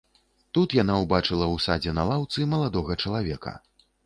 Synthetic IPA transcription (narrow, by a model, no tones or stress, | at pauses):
t̪ut̪jan̪awbat͡ʂɨlˠɐwsad͡zʲɛnalˠawt̪sɨmɐlˠad̪ɔɣɐt͡ʂɐlˠavʲɛkɐ̰